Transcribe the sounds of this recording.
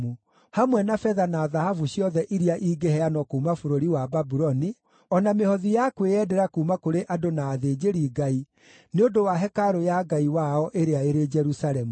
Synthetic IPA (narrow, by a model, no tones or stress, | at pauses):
u | hamwɛnafɛðanaːðahavuɕiɔðɛʔiɾiaʔiːɡehɛanɔkuːmafoɾoɾiwababuɾɔni | ɔnamehɔðijakweɛdɛɾakumakoɾeʔadonaːðeːd͡ʑeɾiɡai | neodowaɦɛkaɾojaɡaiwaɔʔeɾeaeɾed͡ʒɛɾusaɾɛmu